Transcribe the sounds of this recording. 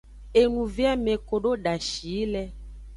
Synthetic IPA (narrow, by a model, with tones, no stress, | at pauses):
e˨nũ˨vi˦a˦mẽ˨ko˨ɖo˦ɖa˨ʃi˨˦lɛ˦